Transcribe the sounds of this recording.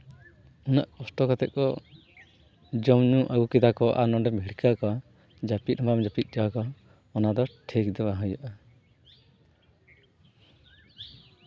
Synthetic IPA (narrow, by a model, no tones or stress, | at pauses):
unaʔkɔsʈɔkat̪ɛt̪̚ˀkɔ | d͡ʒɔmɲũʔaɡukid̪akɔʔa̰nɔɖɛmbʱiɽkʰakɔ | d͡ʒapit̪̚ˀhɔmbamd͡ʒapit̪̚ˀd͡ʒɔwakɔː | nad̪ɔʈʰekd̪ɔbaɦɔjaʔa